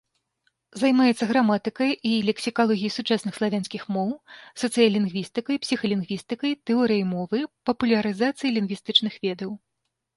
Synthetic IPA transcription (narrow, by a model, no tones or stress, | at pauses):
zajmajɛt̪sːɐɣɾamat̪ɨkɐjilʲɛksʲikalˠɔɣʲijɐjsut͡ʂasnɨxslˠavʲansʲkʲixmɔwsɐt̪sɨjɐlʲinɣvʲist̪ɨkɐjpsʲixɐlʲinɣvʲist̪ɨkɐjt̪ɛɔɾɨjɐjmɔvɨpɐpulʲɐɾɨzat̪sɨjilʲinɡɣvʲist̪ɨt͡ʂnɨxvʲɛd̪ɐw